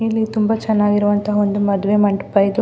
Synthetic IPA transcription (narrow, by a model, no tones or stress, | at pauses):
ilːit̪umbɐt͡ʃɛnːaːɡiɾuʋɐnt̪ɐɦɐond̪umɐd̪uʋe̞mɐɳʈupːɐjd̪u